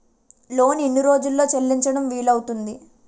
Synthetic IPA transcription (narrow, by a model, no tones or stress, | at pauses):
lo̞ːninːiɾo̞ːd͡ʒulːo̞ːt͡ʃɐlːiɲt͡ʃɐɽɐmʋiːlɐwut̪und̪i